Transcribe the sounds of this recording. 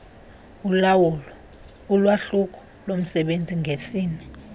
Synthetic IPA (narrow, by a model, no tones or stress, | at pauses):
ulawulɔ | ulwaɬuk̬ʰʼɔ̥ | lom̩sɛɓend͡zʱiŋʱesiːnɛ